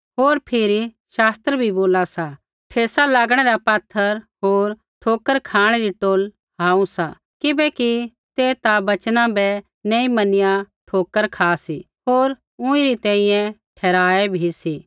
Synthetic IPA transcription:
ɦoːɾpʰɪɾi | ʃaːst̪ɾəbʱiboːlasa | ʈʰeːsalaːɡɽ̃ɛɾapɐt̪ʰːəɾɦoːɾ | ʈʰoːkəɾkʰaːɽ̃ɛɾiʈoːl | ɦaːũsa | kɪbɛki | t̪et̪abɐt͡ʃnãbɛ | neĩmɐnɪja | ʈʰoːkəɾkʰaːsi | ɦoːɾ | ʊ̃ĩɾit̪ɛ̃ːĩjɛ̃ʈʰɛːɾaːɛbʱisi

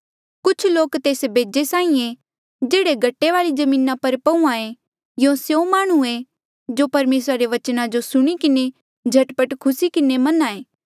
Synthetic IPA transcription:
kʊt͡ʃʰloːkt̪eːsbʱeːd͡ʒesaːĩe | d͡ʒeːɽeɡʱɐʈːeʋaːɭid͡ʒɐmĩːnapɐɾpɐũãẽ | jõsjõmaːɽ̃ue | d͡ʒopɐɾmeːsɾaɾeʋɐt͡ʃnad͡ʒosʊɽ̃ikɪne | d͡ʒʱɐʈpəʈkʰʊsikɪnemɐnaːeː

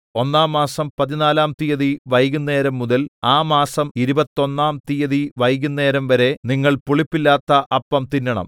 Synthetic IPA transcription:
o̞nːaːmːaːsɐmpɐðinaːlaːmt̪ijɐðiʋɐjɣunːe̞ːɾɐmːuðɐlaːmaːsɐmiɾubɐt̪ːo̞nːaːmt̪ijɐðiʋɐjɣunːe̞ːɾɐmʋɐɾe̞niŋːɐɭpuɭipːilːaːt̪ːɐʔɐpːɐmt̪inːɐɳɐ̰m

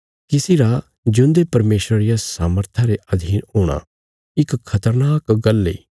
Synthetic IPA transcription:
kɪsiɾa | d͡ʒʊ̃nd̪epɐɾmeːsɾəɾijasaːməɾt̪ʰaɾeʔɐd̪ʱiːnɦoːɽ̃a̰ | ɪkʰːɐt̪əɾnaːkɡɐlːḛː

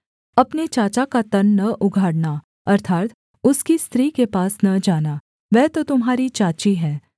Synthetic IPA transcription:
ɐpnet͡ʃaːt͡ʃakat̪ɐnːɐʔʊɡʱaːɽna | ɐɾt̪ʰaːt̪ | ʊskist̪ɾiːkepaːsnɐd͡ʒaːna | ʋɛɦt̪ot̪ʊmɦaːɾit͡ʃaːt͡ʃiɦɛ̃ː

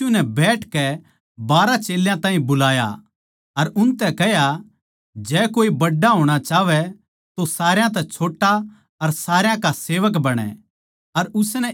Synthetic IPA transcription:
unɛbɛːʈʰkɛ | baːɾat͡ʃeːljãt̪ãːɦĩbʊlaːja̰ | ɐɾʊnt̪ɛkɛɦja | d͡ʒɛːkoːibɐɖːaɦoːɽ̃at͡ʃaːʋɛ | t̪osaːɾjãt̪̬ɛt͡ʃʰoːʈːa | ɐɾsaːɾjãkaseːʋək̬bɐɽ̃ɛ̰ | ɐɾʊsnɛ

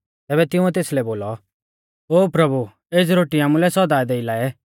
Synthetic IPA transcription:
t̪ɛːbɛt̪ɪuɛt̪eːslɛboːlɔ | oːpɾɐbu | eːd͡zɾoːʈiaːmũlɛsɔd̪aːɛd̪eɪlaːɛ

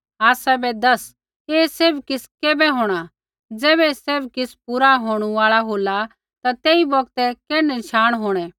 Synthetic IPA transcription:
aːsɛbɛd̪ɐs | eːseːbkɪskeːbɛɦoːɽ̃a | d͡zɛːβɛseːbkɪspuɾaɦoːɽ̃uaːɭaɦoːla | t̪at̪eːibɔɡ̚t̪ɛkɛːnɛnʃaːɽ̃ɦoːɽ̃ɛ̃

